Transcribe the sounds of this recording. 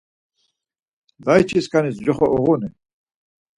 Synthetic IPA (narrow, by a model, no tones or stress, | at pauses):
d̪ajt͡ʃʰiskʰanisd͡ʒɔχɔʔɔʁɔnɛ